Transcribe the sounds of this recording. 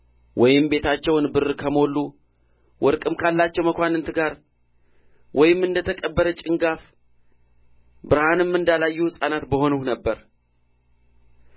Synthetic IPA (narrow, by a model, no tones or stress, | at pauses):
wʔɔjɪmbe̞t̪ʰat͡ʃːɛwnbɨrkʰəmo̞lːu | wʔɔɾkʼɨmkʰalːat͡ʃːɛwməkʷanɨnt̪ʰɨɡaɾ | wʔɔjɪmːɨnd̪ət̪ʰəkʼəbːəɾət͡ʃʼɪŋɡaf | bɨɾhanɨmːɨnd̪alajːuhsʼanat̪bəho̞nuhnəbːəɾ